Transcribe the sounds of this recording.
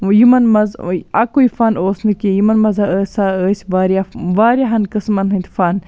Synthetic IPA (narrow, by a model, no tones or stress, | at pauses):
jimɐnmɐzɐkujifaːnoːsnɨkʲijimɐnmɐzaəːsaːəːsʲʋaːɾʲijaʋaːɾjaɦɐnkɨsmɐnɦɨnʲt̪faːn